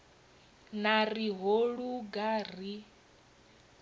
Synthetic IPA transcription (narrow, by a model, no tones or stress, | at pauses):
naɾiɦoɺuɡari